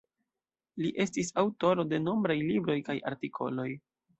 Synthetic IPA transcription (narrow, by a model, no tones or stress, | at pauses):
liʔe̞stisawto̞ɾo̞de̞no̞mbɾajlibɾo̞jkaja̰ɾtikʰo̞̰lo̞j